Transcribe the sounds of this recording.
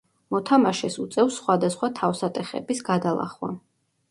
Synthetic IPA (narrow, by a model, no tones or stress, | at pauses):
mɔt̪ʰamaʃɛsut̪sʼɛfsχwad̪asχwat̪ʰafsat̪ʼɛχɛ̰bisɡad̪alˠa̰χwa̰